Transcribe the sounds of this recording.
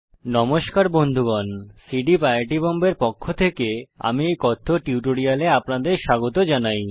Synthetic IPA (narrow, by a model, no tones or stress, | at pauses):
nɔmoʃkaɾbond̪ʱuɡɔnsiɖipajʈibɔmbeɾpokʰːot̪ʰekea̰miejkɔt̪ʰːoʈiuʈoɾialeapnad̪eɾʃaɡot̪od͡ʑanaj